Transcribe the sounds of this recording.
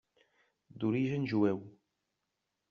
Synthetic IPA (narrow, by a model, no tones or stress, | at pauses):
d̪uɾiʒənʒwæw